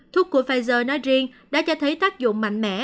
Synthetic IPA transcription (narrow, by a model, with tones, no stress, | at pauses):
t̪ʰu˦˥kːu˧˩əfaː˧jzəː˧˩nɔ˨˦jzi˧əŋɗa̰ː˧˥t͡ɕɔ˧t̪ʰə˨˦jt̪aː˦˥k̚zʊ̰˧˨ŋ͡mma̰˧˨jŋ̟mɛ̰˧˥